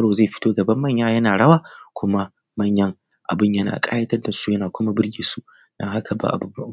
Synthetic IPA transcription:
ɐ˦ɽoː˨zeː˦˨ɸɪ̥˦toː˦ɡɐ˨bɐ˦mːɐ˦˨ɲjaː˦jɐ˦naː˨ɽɐ˦waː˦˨kʷʊ˦ma˦ | mɐ˦˨ɲjɐ˦ŋ | ʔa̰˨bɪ˦˨ɲjɐ˦na̰ː˨kʼaː˦jɐ˦tɐ˦rda˨su˦jɐ˦naː˨kʷʊ˦ma˦bɪ˦rɡʲiː˨su˦ | dɐ˦ŋha˦kʰa˨ba̰˨ʔa̰˨bʊ˨ba˦˨

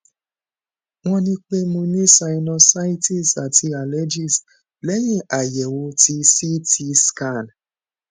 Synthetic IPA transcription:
ŋɔ̃˦nĩ˧k͡pe˦mũ˧nĩ˦sa˧˨i˧nɔ˧sa˦ji˦ti˦˨sa˨ti˧a˨lɛ˦d͡ʒi˦˨s | lɛ˦jĩ˦˨ʔa˨jɛ˨wo˧ti˧si˦ti˧ska˦˨n

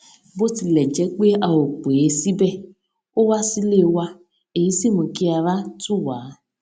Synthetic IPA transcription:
bo˦ti˧lɛ˨d͡ʒɛ˨˦k͡pe˦a˧o˨k͡po˨e˧˦si˦bɛ˦˨ | o˦wa˦si˦le˦˨˧wa˧ | e˨ji˨˦si˦˨mũ˧ki˦a˧ɾa˦tu˦˨waː˨˦

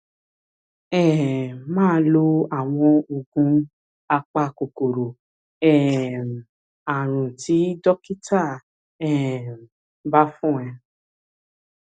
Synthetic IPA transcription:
ɛ˦˨mãː˦lo˧a˨w̃ɔ̃˧o˨ɡũ˧˦ | a˧k͡pa˧ko˨ko˨ɾo˨ | ɛ˦˨ | a˨ɾ̃ũ˨ti˨˦dɔ˦ki˦ta˦˨ | ɛ˨ | ba˦fũ˦˨ɛ̃˧

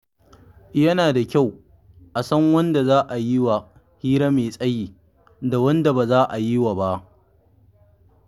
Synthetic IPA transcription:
jɐ˦naː˨da˨kʲa˦˨w | ʔa˨sɐ˦ŋwɐ˦nda˨zaː˦ʔa˨ji˦wa˨ | hiː˦ɾa˦meː˨sʼɐ˦jiː˨ | da˨wɐ˦nda˨baː˨zaː˦ʔa˨ji˦waː˨ba˦ʔ

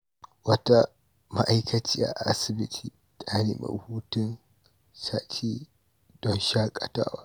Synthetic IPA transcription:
wɐ˦ta˦ | ma˦ʔa˦jkʰɐ˦t͡ʃiː˦ʔa̰˨ʔa˦sɪ˦bɪ˦tʰiː˦ | tʰa˦neː˨ma̰˨huː˦tɪ˦n | saː˦tʰiː˦ | d̥ɔ˦nʃa˦kʼɐ˨ta̰ː˦waː˦

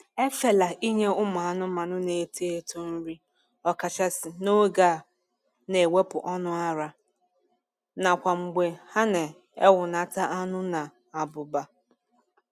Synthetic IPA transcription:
e˦fe˨la˨ʔi˦ɲe˦ʊ˦m˨a˨nʊ˦ma˨nʊ˦ne˨tʰe˦e˦tʰu˦n̩˦ɾi˦ | ɔ˨ka˨t͡ʃa˦sɪ˨no˦ɡa˦˨ | ne˨we˦pʊ˨ʔɔ˦nʊ˦a˦ɾa˦ | na˨kʷa˨ŋ͡m̩˨ɡ͡be˨ha˦ne˨ | e˦wʊ˨na˨ta˦ʔa˦nʊ˦na˨ | a˨bʊ˨ba˨

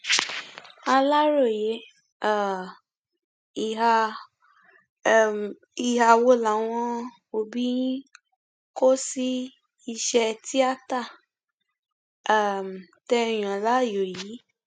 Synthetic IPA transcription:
a˧la˦ɾo˦˨je˨˦ | a˦˨ | i˨a˧˦˨ | i˨ha˧wo˧la˨˦w̃ɔ̃˧ | o˨bi˦ | ko˦si˦ | i˧ʃɛ˧ti˦a˦ta˦˨˦ | m˨tɛ˧˨j̃ã˨la˦˨jo˨ji˨˦

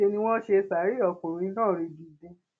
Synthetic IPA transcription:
e˧nĩ˧w̃ɔ̃˦ʃe˧sa˨˦ɾi˦ɔ˧ko˨ĩ˧˦nãː˦˨ɾi˧ɡi˨dẽ˧

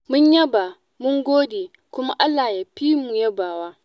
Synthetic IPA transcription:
mʊ˦ɲjɐ˦ba˨ | mʊ˦ŋɡʷoː˦de˨ | kʷʊ˦ma˦ʔa˦lːa˨ja˨ɸiː˦mu˨jɐ˦baː˨waː˦

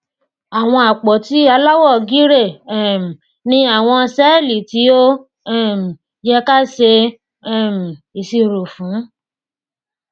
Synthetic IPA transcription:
a˨w̃ɔ̃˧a˨k͡pɔ˨ti˨˦a˧la˦wɔ˦˨ɡi˦ɾe˦˨m̩˨ | nĩ˧˦a˦˨w̃ɔ̃˧sɛ˦˨li˨ti˨˦o˦˨ | m˨ | jɛ˧˦ka˦se˧˦˨ | m̩˨i˨si˧ɾo˨fũ˨˦

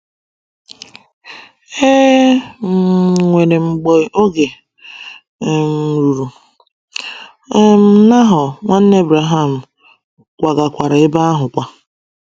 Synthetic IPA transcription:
e˦˨ | ŋʷe˨ɾe˨ŋ͡m̩˨ɡ͡bɔ˦o˦ɡe˨ | m̩˨ɾu˨ɾu˨˦ | m̩˦˨˦na˦ɦʊ˨ŋʷa˦n̩˦ne˦bɾa˨ɦa˦˨m̩˨ | kʷa˨ɡa˨kʷa˨ɾa˨ɪ˦ba˦a˦ɦʊ˨kʷa˨

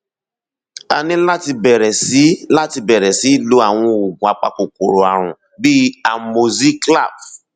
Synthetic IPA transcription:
a̰˨nĩ˧la˦ti˧bɛ˨ɾɛ˨si˨˦la˦ti˧bɛ˨ɾɛ˨si˨˦lo˦a˦˨w̃ɔ̃˧o˨ɡũ˨a˨k͡pa̰˨ko˨ko˨ɾo˨a˨ɾ̃ʊ̰̃˨ | bi˦a˨mo˨zi˦kla̰˦˨b

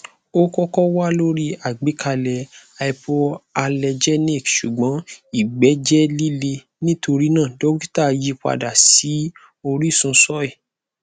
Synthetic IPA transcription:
o˦kɔ˦kɔ˦wa˦lo˦ɾi˦a˨ɡ͡bi˨˦kʰa˧lɛ˨a˧i˧po˧a˧lɛ˧d͡ʒɛ˦ni˦˨kʃu˨ɡ͡bɔ̃˨˦i˦˨ɡ͡bɛ˨˦d͡ʒɛ˦li˦le˧ | nĩ˦to˧ɾi˦nãː˦˨do˦ɡi˦ta˦˨ji˦kʷa̰˧da˨si˨˦ | o˧ɾi˦˨sũ˧sɔ˦ɛ˦˨

